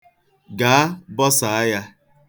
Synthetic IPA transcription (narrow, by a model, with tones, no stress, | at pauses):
ɡa˨a˦bɔ˦sa˨a˦ja˦